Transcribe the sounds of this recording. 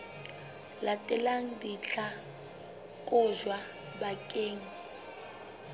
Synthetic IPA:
latʼɛlaŋ̩diɬa | kʼʊʒwa | bakʼeːŋ̩

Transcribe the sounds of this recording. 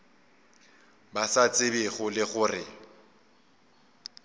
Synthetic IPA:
basat͡sʼɪbɪχʊlɪχʊrɪ̰

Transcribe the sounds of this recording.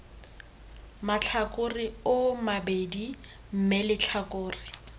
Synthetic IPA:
mat͡ɬʰakʊrɪʊmabedi | m̩melɪt͡ɬʰakʼʊːrɪ

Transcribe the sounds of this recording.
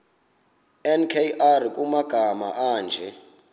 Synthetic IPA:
ɛnkʰeʔark̬ʼumaɡ̥ʱama̰ʔaːnd͡ʒʱɛ

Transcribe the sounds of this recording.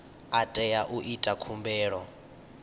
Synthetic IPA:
atʼɛjaʔuʔitʼakʰumbɛːɺɔ

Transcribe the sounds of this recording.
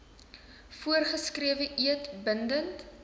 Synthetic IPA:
fuərχəskriəvəʔiətbəndənt

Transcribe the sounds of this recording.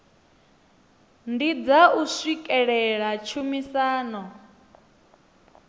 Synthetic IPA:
ndid͡zausikʼɛɺɛɺat͡ʃʰumisaːnɔ

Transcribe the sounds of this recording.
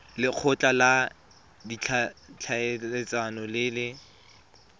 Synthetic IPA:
lɪq͡χʰʊt͡ɬʼala | dit͡ɬʰat͡ɬʰaeet͡sʼanɔlɪlɪ

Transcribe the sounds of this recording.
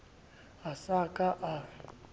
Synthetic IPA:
asakʼaʔa

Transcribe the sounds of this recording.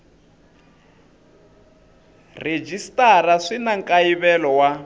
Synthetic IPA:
red͡ʒistʼaraʂinaŋkʼaiβɛlɔwa

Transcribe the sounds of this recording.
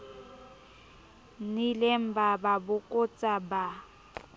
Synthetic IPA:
nilɛm̩bababʊkʼʊt͡sʼaba

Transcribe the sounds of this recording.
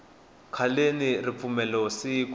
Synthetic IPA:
kʰalenirip̪fumɛlɔsiːk

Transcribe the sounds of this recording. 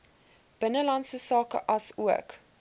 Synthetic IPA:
b̥ənəlɐnsəsɑːkə̰ʔɐsuək

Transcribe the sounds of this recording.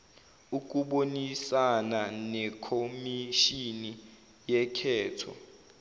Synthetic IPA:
uk̬ʼuɓonisananɛkʰomiʃini | jɛkʰɛːtʰɔ̰

